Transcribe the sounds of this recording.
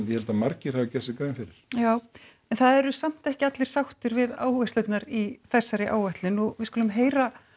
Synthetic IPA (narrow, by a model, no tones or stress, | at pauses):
jɛhɛlt̪amaɾcɪɾ̥havacɛsɪkaːɪnfɪɾɪɾ̥jaːw | ɛnθaðɛɾʏsam̥t̪ɛhcɪat̪lɪɾ̥sawht̪ʏɾvɪða̰ːwhvɛst̪lœɥt̪naɾiθɛsːaɾɪʔa̰ːwvɛht̪lɪnuvɪðskuːlʏmɦeːjɾa